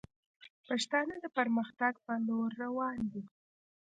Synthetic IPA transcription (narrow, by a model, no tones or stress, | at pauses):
paʂt̪ɑnəd̪əpəɾməxt̪aɡpəloɾːawɑnd̪i